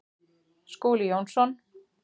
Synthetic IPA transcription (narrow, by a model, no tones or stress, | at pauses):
skuːlɪjownsɔn